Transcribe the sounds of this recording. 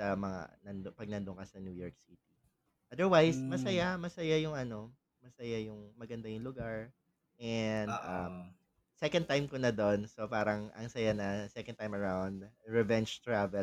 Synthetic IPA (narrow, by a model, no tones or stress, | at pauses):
sɐmɐŋa̰nɐnd̪pɐɡ̚nɐnd̪ʊŋkɐsɐnjuːjoɹk̚sit̪̚i | ʔɐd̪ɛɹwajsmɐsɐjamɐsɐjajʊŋʔɐno̞ | mɐsɐjajʊŋmɐɡɐnd̪ajʊŋlʊɡaɹ | ʔɛnd̪ʔɐm | sɛkɐn̚t̪ajmkonɐd̪o̞nso̞paːɾɐŋʔɐ̰ŋsɐjanɐsɛkɐnt̪ajmɐɹawnd̪̚ɹɛvɛnt͡ʃt̪ɹavɛ